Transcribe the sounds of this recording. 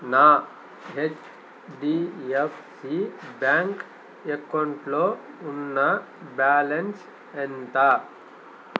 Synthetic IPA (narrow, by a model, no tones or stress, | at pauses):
naː | ɦet͡ʃ | ɖiːepʰsibjaːŋk | ekːɐɳʈloː | unːɐ | baːlens | ent̪aː